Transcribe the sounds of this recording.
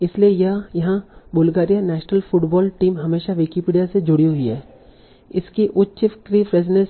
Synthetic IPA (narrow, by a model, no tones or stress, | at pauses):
ɪsliejɐɦãjɐɦãbʊlɡaːɾijanɛːʃnəlfʰʊʈbɔːlʈiːmɦɐmeːʃaʋɪkipiːɖijased͡ʒʊɽiɦʊiɦɛː | ɪskiʔʊtːʃɪkɾipɾeːzɪnẽs